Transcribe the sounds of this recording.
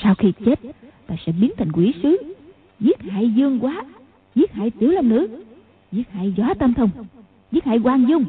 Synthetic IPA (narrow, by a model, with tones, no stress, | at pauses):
saː˧wxi˧t͡ɕe˦˥t̚t̪aː˧jsɛ̰˧˥ɓi˨˦ənt̪ʰi˨˩ŋ̟kwi˧˩˦sɨ˨˦ | zi˦˥ət̚ha̰ː˧˨jzɨ˧əŋkwaː˨˦ | zi˦˥ət̚ha̰ː˧˨jt̪i˧˩əwlə˧nnɨ̰˧˥ | zi˦˥ət̚ha̰ː˧˨jzwaː˨˦t̪ə˧mt̪ʰə˧wŋ͡m | zi˦˥ət̚ha̰ː˧˩jkwaː˧ŋzʊ˧ŋ͡m